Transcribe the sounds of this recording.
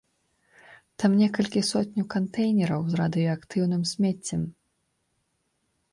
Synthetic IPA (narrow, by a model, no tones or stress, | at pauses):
t̪amnʲɛkɐlʲkʲisɔt̪ʲnʲukɐnt̪ɛjnʲɛɾɐwzrad̪ɨjɔɐkt̪ɨwn̪ɨmsʲmʲɛt͡sʲːɛm